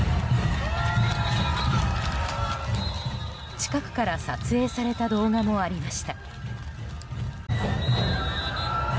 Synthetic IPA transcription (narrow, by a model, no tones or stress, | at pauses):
t͡ɕi̥kakɯ̟̥kaɾasat͡sɨe̞ːsaɾe̞t̪ad̪o̞ːɡamo̞aɾʲimaɕi̥t̪a